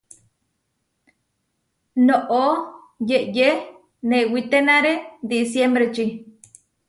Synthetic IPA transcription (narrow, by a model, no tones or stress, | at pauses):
noʔo | jeʔje | newit̪enãɾed̪isjembɾet͡ʃi